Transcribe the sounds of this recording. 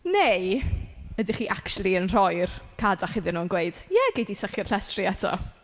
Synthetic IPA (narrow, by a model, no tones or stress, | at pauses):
nej | ədiχiːʔakʃlˠiənr̥ɔjrkʰadaχɪðɪnuːənɡweɨd̥jɛɡejdisəχjɪr̥ɬɛstriɛtʰɔ̰